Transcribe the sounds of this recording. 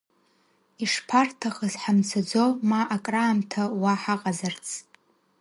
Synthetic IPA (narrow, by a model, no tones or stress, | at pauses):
iʂpʰartʰaχəzħamt͡sʰad͡zomaʔakʼraːmtʰawaħaqʼazart͡sʰ